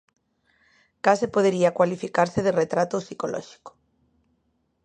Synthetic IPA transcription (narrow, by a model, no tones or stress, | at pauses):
kasepoðeɾiakwalifikaɾseðeret̪ɾat̪osikolɔ̰ʃi̥ko̥